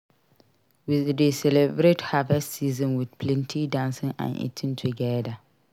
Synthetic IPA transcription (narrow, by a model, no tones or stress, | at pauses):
widesɛlɛbɾethavɛstsiːzɔ̃nwɪdpʰlɛ̃ntʰidãnsɪ̃nã̰nḭtʰɪ̃ntʰuɡɛda